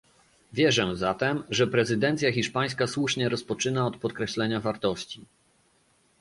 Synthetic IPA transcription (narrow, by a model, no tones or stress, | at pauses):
vʲjɛʐɛ̃zat̪ɛmʐɛpɾɛzɘd̪ɛnt̪sʲjaxʲiʂpaj̃skaswuʂɲɛɾɔspɔt͡ʂɘnaɔt̪̚pɔt̪kɾɛɕlɛɲavaɾt̪ɔɕt͡ɕi